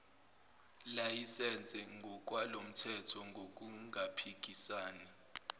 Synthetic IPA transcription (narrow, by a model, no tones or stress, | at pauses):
lajisɛnd͡zʱɛŋɡʱɔk̬ʼwalom̩tʰɛtʰɔŋɡʱok̬ʼuŋʱapʰik̬ʼisaːni